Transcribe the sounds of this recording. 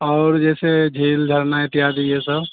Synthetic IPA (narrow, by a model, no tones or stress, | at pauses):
ɔʊɾd͡ʒɛːsed͡ʒʱeːld͡ʒʱəɾnaet̪ijad̪ijesəb